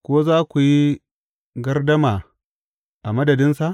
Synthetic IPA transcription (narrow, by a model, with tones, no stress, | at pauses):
kʷoː˦zaː˦kʷu˨ji˦ | ɡɐ˦rdɐ˦maː˨ | ʔa˨mɐ˦dɐ˨dɪ˦nsa˨ʔ